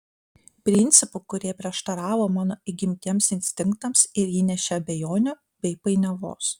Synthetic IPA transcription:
pʲɾʲɪnʲt̪sʲɪpʊkʊɾʲiɛpʲɾʲiɛʃt̪ɐɾɑːʋoːmɑːnoːɪɡʲɪmʲt̪ʲiɛmsɪnʲsʲt̪ʲɪŋkt̪ɐmsɪɾjiːnʲɛʃʲɛɐbʲɛjoːnʲoː | bʲɛɪpɐɪnʲɐʋo̰ːs

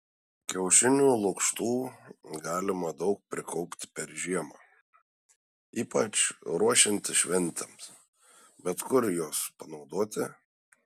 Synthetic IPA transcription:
kʲɛʊʃʲɪnʲuːlˠʊkʃt̪uːɡɑːlʲɪmɐd̪ɒʊk̚pʲɾʲɪkɔʊpʲt̪ʲɪ̥pʲɛɾʒʲiɛmɑː | iːpɐt͡ʃɾuɔʃʲɪnʲt̪ʲɪʃʲʋʲɛnʲt̪ʲɛms | bʲɛt̪kʊɾjoːspɐnɒʊd̪oːt̪ʲɪ

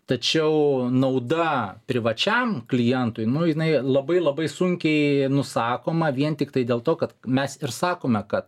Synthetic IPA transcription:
t̪ɐt͡ʃʲɛʊnɐʊd̪ɐpʲɾʲɪʋɐt͡ʃʲɛmklʲɪjɛnt̪ʊɪnʊjɪnɐɪlˠɐbɐɪlˠɐbɐɪsʊŋʲkʲɛɪnʊsɑːkoːmɐʋʲiɛnt̪ʲɪkt̪ɐɪd̪ʲeːlˠt̪oːkɐt̪mʲɛsɪɾsɑːkoːmʲɛkɐt̪

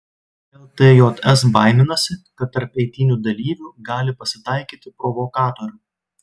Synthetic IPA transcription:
ɛlˠt̪eːjoːt̪ɛsbɑˑɪnʲɪnɐsʲɪkɐt̪ːɐɾpɛɪt̪ʲiːnʲuːd̪ɐlʲiːʋʲuːɡɑːlʲɪpɐsʲɪt̪ɑˑɪkʲiːt̪ʲɪpɾɔʋɔkɑːt̪oːɾʲʊ

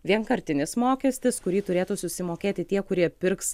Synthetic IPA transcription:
ʋʲiɛŋkɐɾʲt̪ʲɪnʲɪsmoːkʲɛsʲt̪ʲɪskʊɾʲiːt̪ʊɾʲeːt̪uːsʊsʲɪmoːkʲeːt̪ʲɪt̪ʲiɛkʊɾʲiɛpʲɪɾks

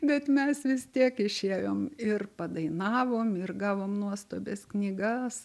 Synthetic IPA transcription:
bʲɛt̪mʲɛsʋʲɪst̪ʲiɛkɪʃʲeːjoːmɪrpɐd̪ɐɪnɑːʋoːmɪrɡɑːʋoːmnuɔst̪oːbʲesknʲiːɡɐss

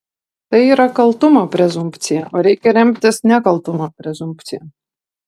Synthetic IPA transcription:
t̪ajiɾakalˠt̪umaːpɾɛzumpt̪sijaaɾʲiːkʲɛɾɛmpt̪ʲɛsnʲakalˠt̪umaːpɾɛzumpt̪sija

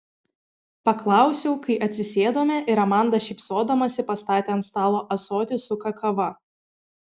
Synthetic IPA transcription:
pɐklˠɑˑʊsʲɛʊkɐɪʔɐt̪ʲsʲɪsʲeːd̪oːmʲɛʔɪɾɐmɑˑnd̪ɐʃʲɛɪpsoːd̪ɐmɐsʲɪpɐst̪ɑːt̪ʲeɐnt̪st̪ɑːlˠoːʔɐsoːt̪ʲɪsʊkɐkɐʋɐ

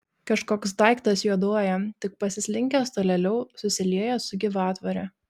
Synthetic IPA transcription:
kɐʃkoːksd̪ɐɪkt̪ɐsjuɔd̪oɔjɛt̪ʲɪk̚pɐsʲɪsʲlʲɪŋʲkʲɛst̪oːlʲɛlʲɛʊsʊsʲɪlʲiɛjɛsʊɡʲɪʋɑːt̪ʋɐɾʲɛ

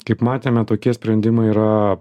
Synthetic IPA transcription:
kɐɪpmɑːt̪ʲeːmʲɛt̪oːkʲiɛsʲpʲɾʲɛnʲd̪ʲɪmɐɪiːɾɐ

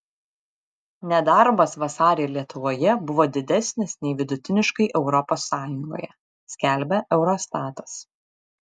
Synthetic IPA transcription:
nʲɛd̪ɑɾbɐsʋɐsɑːɾʲelʲiɛt̪ʊʋoːjɛbʊʋoːd̪ʲɪd̪ʲɛsʲnʲɪsnʲɛɪʋʲɪd̪ʊt̪ʲɪnʲɪʃkɐɪʔɛʊɾɔpoːsːɑːjʊŋɡo̰ːjɛ | sʲkʲælʲbʲɛʔɛʊɾɔst̪ɑːt̪ɐ̥s

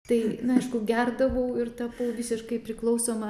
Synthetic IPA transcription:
t̪ɐɪnʊɐɪʃkʊɡʲærd̪ɐʋɐʊɪrt̪ɐbʊʋʲɪsʲɪʃkɐɪpʲɾʲɪklˠɐʊsoːmɐ

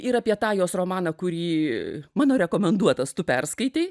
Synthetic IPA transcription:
ɪɾɑpʲiɛt̪ɑːjoːsroːmɑːnɐkʊɾʲiːmɑːnoːɾʲɛkoːmʲɛnd̪uɔt̪ɐst̪ʊpʲɛrskɐɪt̪ʲeɪ

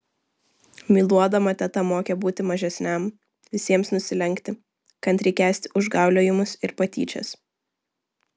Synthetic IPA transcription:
mʲiːlˠuɔd̪ɐmɐt̪ʲɛt̪ɐmoːkʲɛbuːt̪ʲɪmɐʒʲɛsʲnʲɛm | ʋʲɪsʲiɛmsnʊsʲɪlʲɛŋʲkt̪ʲɪ | kɐnt̪ɾʲɛɪkʲæːsʲt̪ʲɪʔʊʒɡɑˑʊlʲoːjɪmʊsɪɾpɐt̪ʲiːt͡ʃʲɛ̰s

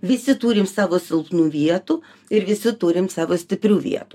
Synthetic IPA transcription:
ʋʲɪsʲɪt̪uːɾʲɪmsɑːʋoːsʲɪlˠpnuːʋʲiɛt̪uː | ɪɾʋʲɪsʲɪt̪uːɾʲɪmsɑːʋoːsʲt̪ʲɪpʲɾʲuːʋʲḭɛt̪uː

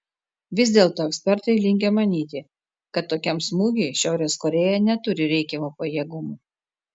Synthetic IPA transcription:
ʋʲɪzʲd̪ʲeːlˠt̪oːɛkʲsʲpʲɛɾt̪ɐɪlʲɪŋʲɡʲɛmɐnʲiːt̪ʲɪ | kɐt̪ːoːkʲɛmsmuːɡʲɛɪʃʲæˑʊɾʲeːskɔɾʲejɛnʲɛt̪ʊɾʲɪɾʲɛɪkʲɛmuːpɐjiɛːɡʊmuː

